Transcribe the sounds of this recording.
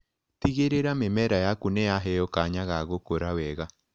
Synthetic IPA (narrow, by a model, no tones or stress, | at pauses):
tiɣeɾeɾamemɛɾajakuneaɦɛjɔkaɲaɣaɣokoɾawɛɣa